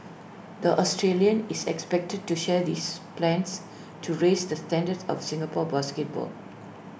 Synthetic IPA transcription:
d̪əʔɔstʰɹeliə̃nisɛkspɛk̚təd̚tuʃɛd̪iːsplɛ̃ns | tʰuɹesd̪əstɛ̃ndədsɔ̰fsɪ̃ŋɡəpɔbaskɛt̚bɔ̰l

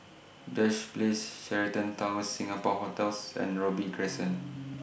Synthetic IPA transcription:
d͡ʒɔʃplesʃɛɹitə̃ntɔməsːĩŋapɔhotɛlsɛ̰̃nɹɔbikʰɹɛsə̃n

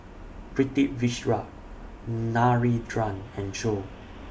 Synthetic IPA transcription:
pɹitiʔviʃɹa | naɹidɹãnɛ̃nd͡ʒo

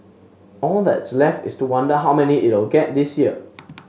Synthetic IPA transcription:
ʔɔldɛ̰tslɛftɪstuwãndəɦawmɛniʔɪt̚wɪlɡɛt̚disjiə

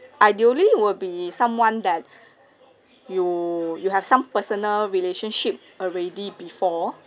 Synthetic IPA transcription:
ʔajdioliwəd̚bisãmwãndɛt̚ | jujuhɛfsãmpəsənəlɹileʃə̃nʃip̚ | ɔlɹɛdibifɔ

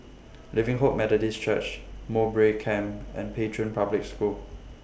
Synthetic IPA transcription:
livɪ̃ŋɦoʔ̚mɛlədist͡ʃət͡ʃmobɹekʰɛ̃mɛ̰̃npʰetʰɹə̃npʰablɪk̚skul

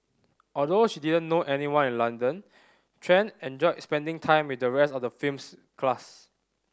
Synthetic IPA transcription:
ʔɔldoʃididə̃nːoʔɛniwãnĩnlãndə̃n | tʰɹɛ̃nɛ̃nd͡ʒɔɪspɛ̃ndɪ̃ŋtʰãɪ̃mwidəɹɛstɔfdəfims | kʰlas

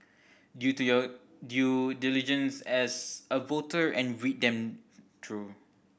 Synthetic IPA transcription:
djutujɔ | djudilid͡ʒə̃nsɛsəvotəɹʔɛ̰̃nɹit̚dɛ̃mt̪ʰɹu

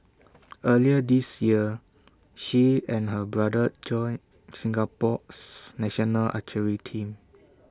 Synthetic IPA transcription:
ʔəliədisjiə | ʃiɛ̃nhəbɹadəd͡ʒɔ̃n | sĩŋɡapɔsnɛʃɔnəlʔa̰t͡ʃəɹitʰĩm

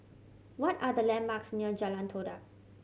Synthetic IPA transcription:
wɔtadəlɛ̃nmaksniəd͡ʒalãntʰodak̚

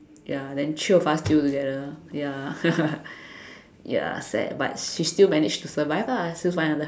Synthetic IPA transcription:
jadɛ̃nt͡ʃufastjutuɡɛdəja | ja̰sɛ̰t̚ba̰t̚ʃistilmɛnɪd͡ʒtusəvaɪvasiswããdə

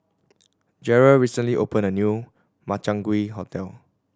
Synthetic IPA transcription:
d͡ʒɛɹalɹisə̃nliʔopə̃nənju | mat͡ʃãŋɡwiɦotɛl

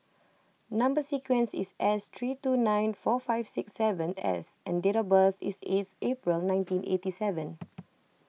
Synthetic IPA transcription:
nãmbəsikwɛ̃nsḭsʔɛst̪ʰɹitunãj̃nfɔfaɪfsiksːɛvə̃nɛ̰sʔɛ̃ndeɾabəθḭset̪ʔepɹilnãɪ̃ntĩnʔḛtisɛvə̃n

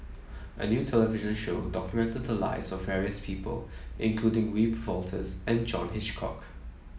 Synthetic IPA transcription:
ʔə̰njuːtʰɛləvɪʒə̃nʃoːdɔkjumɛ̃ntəd̪̚ðəla̰ɪsɔvːɛɹiəspʰiːpə̰lʔɪ̰̃nkʰl̥uːdɪ̃ŋwipvɔltʰəzɛ̃nd͡ʒɔ̃nɦɪt͡ʃkʰɔ̰k

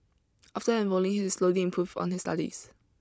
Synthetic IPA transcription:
ʔaftəɛ̃nvɔlɪ̃ŋɪsloliɛ̃mpʰɹ̥uvɔ̰̃nɪsta̰ɾḭs

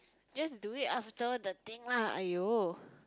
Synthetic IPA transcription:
d͡ʒasduɪtaftəd̪ət̪ĩŋlaha̰jo

